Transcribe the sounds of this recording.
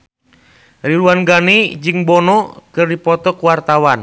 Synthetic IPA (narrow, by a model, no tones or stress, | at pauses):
riluanɡanid͡ʒɨŋbɔnɔkɨrdipɔt̪ɔkuwart̪awan